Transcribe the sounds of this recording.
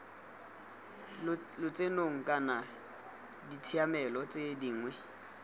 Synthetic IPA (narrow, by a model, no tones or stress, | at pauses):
lʊt͡sʼenoŋ̩kʼana | ditʰiamɛlɔt͡sʼediːŋwɛ